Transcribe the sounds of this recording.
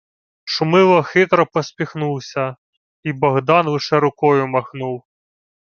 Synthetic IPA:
ʃʊmɪlˠɔxɪt̪ɾɔpɔsʲpʲixnuwsʲɐ | ibɔɣd̪ɑnʋɪʃɛɾʊkɔjʊmɐxnuw

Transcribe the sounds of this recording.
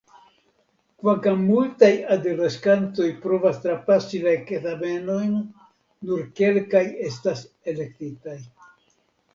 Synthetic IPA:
kvaŋkamːultajadeleskanto̞jpɾo̞vast̪ɾapasilakeθabe̞no̞jnː | uɾke̞lkaje̞s̬tas | e̞le̞ktitaj

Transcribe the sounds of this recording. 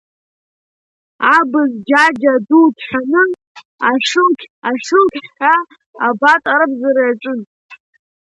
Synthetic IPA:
abɨzd͡ʒad͡ʒadutʰħʷᶣanɨ | aʂɨkʲʰaʂɨkʰʲħaː | batʼaɾɨbzaɾajaʈ͡ʂʷʼɨn

